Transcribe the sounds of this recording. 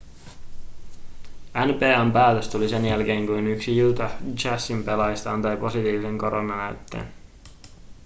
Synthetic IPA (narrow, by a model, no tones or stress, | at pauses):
ænpe̞ːæmpæːləst̪ulise̞njælk̟e̞ːŋkujnyksijyt̪ɑd͡ʒæsːimpe̞lɑjist̪ɑɑnt̪ɑjpo̞sit̪iːʋise̞ŋko̞ɾonːɑnæyt̪ːḛːn